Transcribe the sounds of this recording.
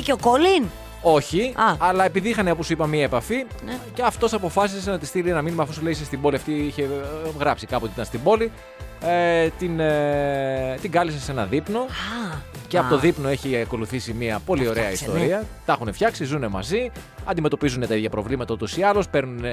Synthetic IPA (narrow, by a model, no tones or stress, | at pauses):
cokolin | o̞çiɐɐlɐe̞piðiixɐneoposipɐmiɐepɐficeɐft̪o̞sɐpo̞fɐsissenɐt̪ist̪ilienɐminimɐfosuleisest̪ibo̞liɐft̪iiçe̞ɣɾɐpsikɐpot̪it̪ɐnst̪ibo̞li | et̪in | t̪iɡɐlisese̞nɐðipno̞ | ceɐpot̪oðipno̞e̞çiɐko̞luθisimiɐpo̞lio̞ɾe̞ɐist̪o̞ɾɾiɐt̪ɐxunefçɐksizune̞mɐ̰zi | ɐ̰d̪imet̪o̞pizune̞t̪ɐiðʝɐpɾo̞vlimɐt̪ɐot̪o̞siɐlo̞spe̞ɾnune